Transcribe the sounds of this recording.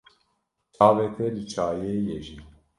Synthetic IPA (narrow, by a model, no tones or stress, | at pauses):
t͡ʃʰaːvɛt̪ʰɛlɨt͡ʃʰaːjeːjeʒiː